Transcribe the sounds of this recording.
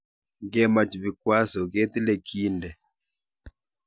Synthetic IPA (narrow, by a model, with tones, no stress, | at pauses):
ɡɛ˦ma˨t͡ʃi˨βi˨kwa˦sɔ˨ɣe˦t̪i˦lɛ˨kʰi˦ndɛ˨